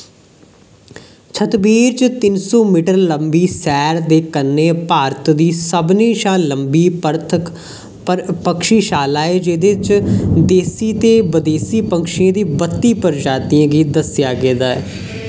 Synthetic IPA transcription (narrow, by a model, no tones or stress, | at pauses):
t͡ʃʰət̪biːɾt͡ʃt̪ɪnsɔːmiːʈəɾləmbiːsɛːɾd̪eːkənːeːpaːɾət̪d̪iːsəbneːʃaːləmbiːpəɾt̪ʰə | pəkʃiːʃaːlaːeːd͡ʒɪd̪eːt͡ʃd̪eːsiːt̪eːbəd̪eːsiːpəŋkʃɪjãːd̪iːbət̪ːiːpəɾd͡ʒaːt̪iãːɡiːd̪əsjaːɡeːd̪aːɛ̰ː